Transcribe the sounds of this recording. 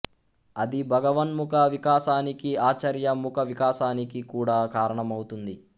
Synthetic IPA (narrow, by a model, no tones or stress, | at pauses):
ɐd̪ibʱɐɡɐʋɐnmukɐʋikaːʃaːnikiaːt͡ʃɐɾjɐmukʰɐʋikaːʃaːnikikuːɽaːkaːɾɐɳɐmɐwut̪und̪i